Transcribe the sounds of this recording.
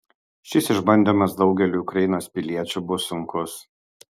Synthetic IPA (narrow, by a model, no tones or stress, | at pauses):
ʃʲɪsɪʒbɐnʲd̪ʲimɐsd̪ɒʊɡʲɛlʲuːʊkɾɐjɪnoːspʲɪlʲiɛt͡ʃʲuːˑbʊsʊŋkʊs